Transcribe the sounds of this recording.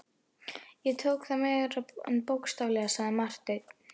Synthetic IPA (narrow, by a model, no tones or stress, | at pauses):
jɛt̪ʰowkθamɛːɾaɛ̰npowkst̪avlɛɣasaɣðanmar̥t̪et̪